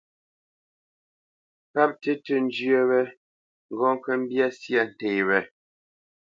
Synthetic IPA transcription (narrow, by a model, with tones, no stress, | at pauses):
pa˦p̚te˦tə˨n˦d͡ʒjə˦˨wɛ˦ | ŋ̩˨ɡɔ˦ŋ̩˦kə˦m̩˦bja˦sja˦˨n̩˨te˨wɛ˨